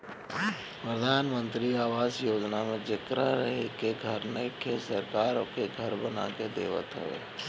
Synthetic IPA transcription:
pɾəd̪ʱaːnmə̃nt̪ɾiaːʋaːzjoːd͡ʒnamẽd͡ʒɪkɾaɾəɦekeɡʱɐɾnəkesəɾkaːɾõkeɡʱəɾbəna̰ked̪ḛːʋə̰t̪ɦʊ̰ḛː

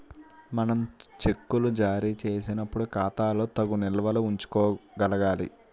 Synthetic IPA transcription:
mɐnɐmt͡ʃe̞kːulud͡ʒaːɾiːt͡ʃe̞ːsinɐpːuɽukaːt̪aːlo̞ːt̪ɐɡunɛlɐʋɐluuɲt͡ʃu̥kɔːɡɐlɐɡaːlḭ

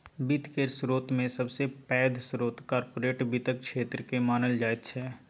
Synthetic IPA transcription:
bit̪kesɾoːt̪mẽsɐbsepɛːd̪ʱsɾoːt̪kaːɾpoːɾeːʈbit̪ək̚kʃeːt̪ɾəkemaːnəld͡ʒaːet̪ʃʰɛː

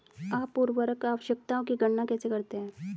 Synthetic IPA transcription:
aːpːuɾʋəɾəkaːʋəʃjək̚t̪aõkiɡʱəɽnakɛːsekɐɾt̪eɦɛ̃ː

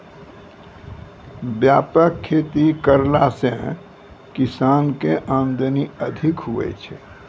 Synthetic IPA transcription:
bjaːpəkʰːeːt̪ikəɾlasẽ | kɪsaːnkeʔãnd̪əniəd̪ʱikɦuʋɛ̰t͡ʃʰɛ̰

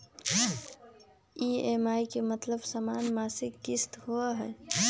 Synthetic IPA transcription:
iemaikemət̪ləbsəmanmasikkist̪huəɦɛ

